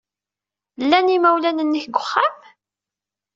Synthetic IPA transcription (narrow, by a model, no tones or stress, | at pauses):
lːænimæwlænənːəçɡʷʊχːam